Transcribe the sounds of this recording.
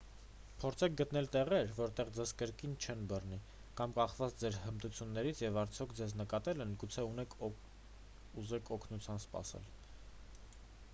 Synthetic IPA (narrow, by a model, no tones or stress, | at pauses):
pʰɔɾt͡sʰɛk̚ʰɡət̪nɛlt̪ɛʁɛɾvɔɾt̪ɛʁd͡zɛzkəɾkint͡ʃʰɛnbərni | kɑmkɑχvɑt͡sʰd͡zɛɾhəmt̪ut͡sʰjunːɛɾit͡sʰjɛvɑɾt͡sʰjɔkʰd͡zɛznəkɑt̪ɛlɛnɡut͡sʰɛunɛkʰ | uzɛkʰɔkʰnut͡sʰjɑnspɑ̰sɛ̰l